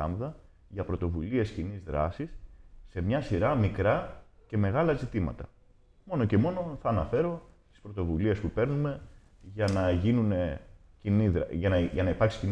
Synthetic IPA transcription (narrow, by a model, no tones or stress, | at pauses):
ɐmðɐ | ʝɐpɾo̞t̪o̞vulie̞scinizðɾɐ̰sisːe̞mɲɐsiɾɐmikɾɐce̞me̞ɣɐlɐzit̪imɐ̰t̪ɐ | mo̞no̞ce̞mo̞no̞θɐːnɐfe̞ɾo̞t̪i̥spɾo̞t̪o̞vulie̞spupe̞ɾnume̞ | ʝɐnɐʝinune | ciniðɾʝɐnɐʝɐnɐipɐɾksi̥cin